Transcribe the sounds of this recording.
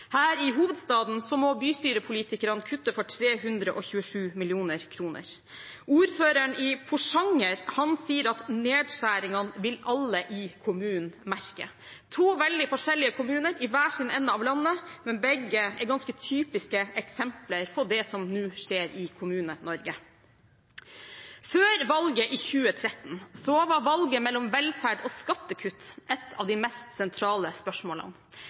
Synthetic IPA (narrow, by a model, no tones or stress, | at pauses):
hæːɾɪɦuːʋəd̪st̪ɑːd̪n̩sɔmɔbyːst̪yːɾəpʰʊliːt̪ɪkəɾɑnkʰʉt̪ːəfɔʈʰɾeːɦʉnd̪ɾəʔɔçʉːəʂʉːmɪlɪuːnəɾkʰɾuːnə̰ɾ | uːɾføːɾəɳɪpʰʊʂɑŋːəɾhɑnsiːəɾɑt̪neːd̪ʂæːɾɪŋɑnʋɪlɑlːəʔɪkʰʊmʉːnmæɾkə̰ | t̪ʰuːʋɛld̪ɪfɔʂɛlːɪəkʰʊmʉːnəɾɪʋæːʂɪd̪nɛnːəɑʋlɑnːəmɛnbɛɡəɛɾɡɑnskət̪ʰyːpɪskəɛksɛmpləɾpʰɔd̪ɛsɔmnʉːʂeːɾɪkʰʊmʉːnənɔɾɡə | føːɾʋɑlɡəʔɪːçʉːət̪ʰɾɛt̪n̩sɔʋɑɾʋɑlɡəmɛlːɔmʋɛlfæɖɔːskɑt̪ːəkʰʉt̪ːʔɛt̪ʰːɑ̰ʋd̪ɪmɛst̪sɛnt̪ʰɾɑːləspœʂmoːlɑ̰n